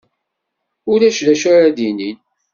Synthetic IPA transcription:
ʊɾæʃlæʃaɾæðinin

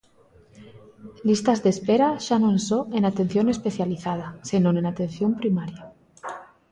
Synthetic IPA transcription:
list̪azðespeɾaʃanonsoenat̪e̞n̟θjone̞spe̞θjaliθað̞asinone̞nat̪e̞nθjo̞mpɾimaɾja

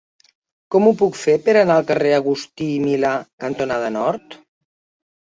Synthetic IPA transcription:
kɔmupukfepəɾənaəlˠkəreəɣ̞ust̪iːmilakənt̪unaðənɔɾt̪

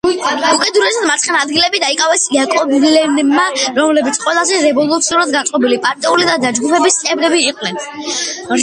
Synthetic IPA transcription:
ukʼɛd̪ɾɛsad̪maɾt̪ʰχɛnad̪ɡilɛbid̪aikʼavɛsiakʼɔblɛnmaɾɔmlɛbit̪sʰqʼwɛlˠazɛɾɛvɔlˠut̪sʰiuɾad̪̚ɡansʼqʼɔbilipʼaɾt̪ʼiulid̪ad̪ad͡ʒɡupʰɛbist̪sʼɛbɾɛbiːqʼnɛn

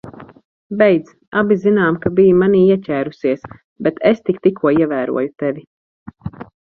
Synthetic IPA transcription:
bɛjd̪z | abizinaːmkabijumaniːiɛcʲæːɾusiɛs | bɛt̪ʰest̪ikt̪ikuɔiɛvæːɾṵɔjut̪ɛvi

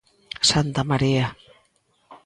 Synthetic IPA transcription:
sant̪amaɾia

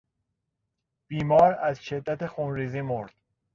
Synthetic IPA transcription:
b̥iːmɒːɾæzʃe̞d̪ːæt̪ʰexunɾiːziːmoɾd̪̥

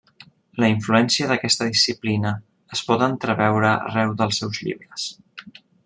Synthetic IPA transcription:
ləiɱfluɛnsiəðəkɛst̪əðisiplinəː | spɔt̪ənt̪ɾəβɛwɾəə̰rɛwðəlˠsɛwzʎḭβɾəs

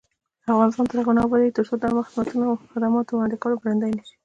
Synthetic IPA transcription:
afɣɑnɪst̪ɑnt̪əɾaɣonɑbaɾet̪əɾsod̪amaxɪzmat̪unaxɪd̪amɑt̪owlɑnd̪ɪkawəlobɾand̪ajnaʃi̥

